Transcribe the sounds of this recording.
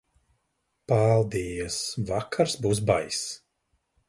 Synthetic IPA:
palˠd̪ijəsvakʰaɾsbuːs̬bajs

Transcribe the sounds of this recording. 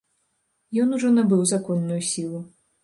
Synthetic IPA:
jɔnuʐɔnɐbɨwzakɔnːujusʲilˠu

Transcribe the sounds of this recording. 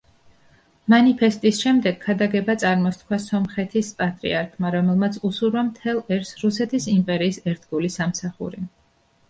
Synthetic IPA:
manipʰɛst̪ʼisʃɛmd̪ɛɡkʰːad̪aɡɛbat̪sʼaɾmɔst̪kʰwasɔmχɛt̪ʰispʼat̪ʼɾḭaɾkʰmaɾɔmɛlˠmat̪sʰusuɾvamt̪ʰɛlˠɛɾsɾusɛt̪ʰisimpʼɛɾiːsɛɾt̪ʰɡulisamsaχṵɾi

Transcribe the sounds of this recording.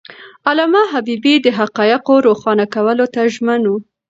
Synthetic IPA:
alɑmaɦabibid̪əɦaqɑjɪqoɾoxɑnakawəlot̪aʒmənu

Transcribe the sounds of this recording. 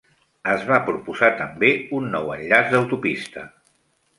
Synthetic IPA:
əzβapɾupuzat̪əmbeunːɔwəʎʎazd̪əwt̪upist̪ə

